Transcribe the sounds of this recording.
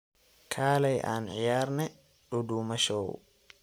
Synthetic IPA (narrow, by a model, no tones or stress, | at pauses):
kʰaːlɐjʔaːnʕɪjaːɾnɛ | ɗʊd̪uːmɐʃoːw